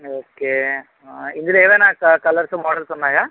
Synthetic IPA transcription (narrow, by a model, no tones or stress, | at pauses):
oːke | ind̪ileːʋeːnaːkɐkɐlɐɾsumɔːɽɐlsɔnːaːjaː